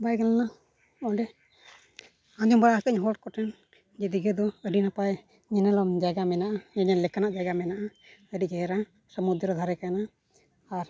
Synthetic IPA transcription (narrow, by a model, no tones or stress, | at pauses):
bajɡalana | ɔɖɛ | aɲd͡ʒɔmbaɽakəɲɦɔʈkɔʈɛn | d͡ʒɛd̪iɡɛd̪ɔəɖinapaj | ɲɛnɛlɔmd͡ʒaɡamɛnaʔaɲɛɲanlɛkanaʔd͡ʒaɡamɛnaʔa | əɖiʔd͡ʒɛɛɾa | səmud̪ɾɔd̪ʱaɾɛkajnaː | ɾ